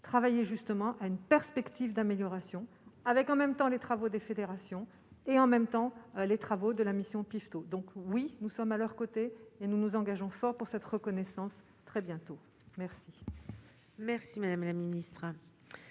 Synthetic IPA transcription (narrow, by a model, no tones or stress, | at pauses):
t̪χavajeʒyst̪əmɑ̃ʔaynpɛʁspɛkt̪ʰivd̪ameljɔʁasjɔ̃ | avɛkɑ̃mɛmt̪ɑ̃let̪χavod̪efed̪eʁasjɔ̃ | eɑ̃mɛmt̪ɑ̃let̪χavod̪əlamisjɔ̃pift̪od̪ɔ̃kwinusɔmalœʁkot̪eːnunuzɑ̃ɡaʒɔ̃fɔʁpuʁsɛt̪ʁəkɔnɛsɑ̃s | t̪χɛbjɛ̃t̪o | mɛʁsi | mɛʁsimad̪amlaminist̪χ